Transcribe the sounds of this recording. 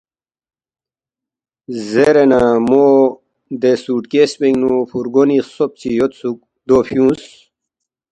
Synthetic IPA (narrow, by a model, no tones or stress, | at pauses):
zeɾenamo | d̪esuʈkespeŋɡnufuɾɡonisop̚t͡ɕijot̪suk̚ | d̪oːfjũːs